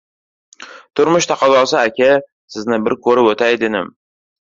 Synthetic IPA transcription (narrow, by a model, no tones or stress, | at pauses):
t̪ʰʊɾmʊʃt̪ʰɑqʰɑzɒlˠsɪakʲʰa | sɪznɪbɪɾkʰɵɾɪot̪ʰajd̪enɪm